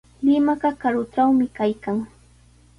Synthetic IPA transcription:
lɪmaɢɑkaɾʊʈ͡ʂawmɪkajkaŋ

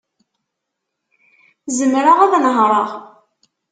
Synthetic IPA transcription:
zəmɾaʁaðnəɦɾˤɑʁ

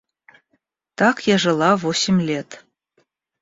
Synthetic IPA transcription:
t̪ɑkjɑʒɤ̆lˠɑvosʲimʲlʲet̪

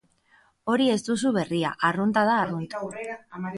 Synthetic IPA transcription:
o̞ɾie̞zd̪us̬uβe̞ria̰ʔarunt̪að̞aːrunt̪a

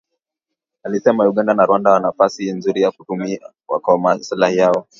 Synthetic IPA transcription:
alisɛmajuɡɠandanaɾuwandawanafasinzuɾijakutumia | wa̰kɔmasilahijaɔ

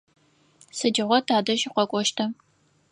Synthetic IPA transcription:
sɨd͡ʒɪʁʷɔtʰaːdɐʒiqʷɔkʷʼɔʃtʰɐ

